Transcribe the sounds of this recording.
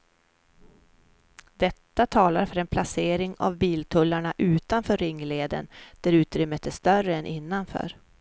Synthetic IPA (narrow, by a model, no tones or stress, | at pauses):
d̪̥ɛt̪ːat̪ʰɑːlaɾfœɾɛnpʰlaseːɾɪŋa̰vbiːlt̪ʰɵlːaɳaʔʉ̟ːt̪anfœːɾːɪŋːleːd̪ə̰nd̪̥æɾʉ̟ːt̪ɾʏmːət̪ːɛst̪œrəɛnʔɪnːanfœ̰ːɾ